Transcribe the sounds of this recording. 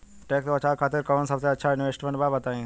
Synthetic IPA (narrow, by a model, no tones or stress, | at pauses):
ʈeːkt̪oɐt͡ʃʰaːɾkʰaːt̪ɪɾkəʋənsɐbseɐtːʃʰaɪnʋeːsʈmẽɳʈbaːbɐt̪aːĩ